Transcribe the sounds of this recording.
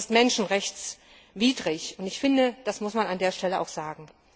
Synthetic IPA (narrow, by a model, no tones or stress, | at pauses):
stmɛnʃn̩ʁɛçt͡s | viːdʁɪçʊntɪçfɪndəd̥asmʊsmanandeːɐʃtʰɛləʔa̰ʊxz̥aːɡŋ̩